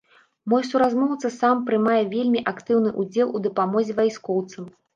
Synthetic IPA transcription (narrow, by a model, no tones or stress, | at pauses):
mɔjsuɾazmɔwt̪sɐsampɾɨmajɛvʲelʲmʲiʔakt̪ɨwnɨʔud͡zʲɛlˠud̪ɐpamɔzʲɛvajskɔwt̪sɨm